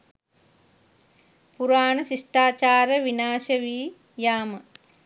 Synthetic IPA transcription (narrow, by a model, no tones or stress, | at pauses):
puɾaːnəsiʂʈaːt͡ʃaːɾəʋinaːʃəʋiː | jaːmə